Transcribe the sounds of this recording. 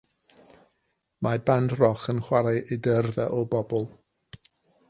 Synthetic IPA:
mabandrɔχənχwaɾaʔedərðɛʔɔbɔbɔlˠ

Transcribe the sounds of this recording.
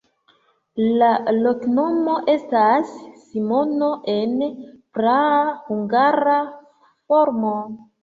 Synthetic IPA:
lalo̞kno̞mo̞ʔe̞stasː | imo̞no̞ʔe̞npɾahuŋɡaɾa | fo̞ɾmo

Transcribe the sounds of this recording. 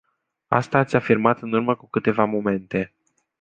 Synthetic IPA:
a̰st̪aːt̪sʲafirmat̪ɨnurməkukɨt̪e̞vamo̞me̞nt̪e̞

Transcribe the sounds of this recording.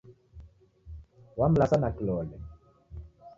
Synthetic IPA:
wam̩lasanakilɔlɛ

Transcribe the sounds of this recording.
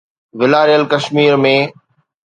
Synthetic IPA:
ʋɪlaːɾijəlkɐʃmiːɾmẽː

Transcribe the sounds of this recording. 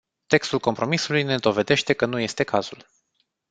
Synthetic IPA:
t̪e̞kst̪ulko̞mpɾo̞misulujne̞d̪o̞ve̞d̪e̞ʃt̪e̞kənuje̞st̪e̞kaz̥ul

